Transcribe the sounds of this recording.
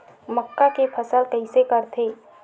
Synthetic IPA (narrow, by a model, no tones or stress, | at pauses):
məkːakepʰəsəlkɐɦĩsekɐɾt̪ʰeː